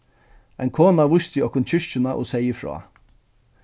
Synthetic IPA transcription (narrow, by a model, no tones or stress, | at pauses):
ajnkʰoːnaʋʊst̪ɪɔhkʊnt͡ɕʰʏʂt͡ʃɪnaʔɔ̰sɛjəfɹɔ̰ː